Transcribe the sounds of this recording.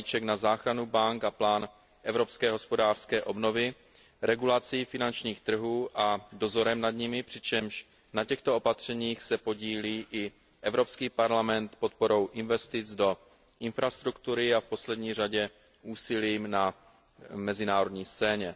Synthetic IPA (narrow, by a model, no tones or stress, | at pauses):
it͡ʃɛknazaːxɾanubaŋkaplaːn | ʔɛvɾo̞pskɛːɦo̞spo̞daːr̥skɛːʔo̞bno̞vɪ | ɾɛɡulat͡siːfɪnant͡ʃɲiːxt̪r̩ɦuːʔado̞zo̞ɾɛmnadɲɪmɪpr̝̥ɪt͡ʃɛmʃ | nacɛxt̪oopat̪r̝̥ɛɲiːxsɛpo̞ɟiːliːʔɪ | ʔɛvɾo̞pskiːpaɾlamɛnt̪pot̪̚po̞ɾo̞wʔɪnvɛst̪ɪt͡sdo̞ | ʔɪnfɾast̪ɾukt̪uɾɪafpo̞slɛdɲiːr̝aɟɛ | ʔuːsɪliːmna | mɛzɪnaːɾodɲiːst͡sɛːɲɛ